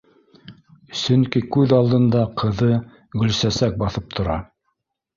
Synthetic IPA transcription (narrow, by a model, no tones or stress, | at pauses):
sɵŋkikʉðɑlˠd̪ɤ̆nd̪ɑqʰɤ̆ðɤ | ɡɵ̆lsæsæk̚bɑθɤp̚t̪ʰŏɾɑ̰